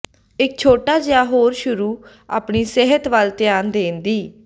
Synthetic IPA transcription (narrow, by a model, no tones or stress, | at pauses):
ɪk̚t͡ʃʰoːʈaːd͡ʒjaːɦoːɾʃʊɾuː | a̰ːpɳiːseɦət̪ʋəlt̪ɪjaːnd̪eːnd̪iː